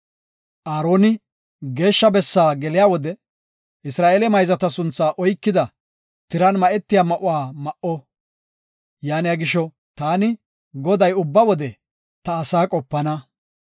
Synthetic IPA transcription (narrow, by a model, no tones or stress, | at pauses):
ʔaːɾo̞ːnɪ | ɡe̞ːʃːɐbɛsːaːɡɛlɪjaːwɔd̪ɛ | ʔɪsɾaːʔeːlɛmɐjzɐt̪ɐsʊnt͡sːaːʔɔjkːɪd̪ɐ | t̪ɪɾɐnmɐʔɛt̪ːɪjaːmɐʔʊwaːmɐʔɔ | jaːnɪjaɡɪʃɔ | t̪aːnɪ | ɡɔd̪ɐjʊbːɐwɔd̪ɛ | t̪ɐːsaːkʼɔpːɐnɐ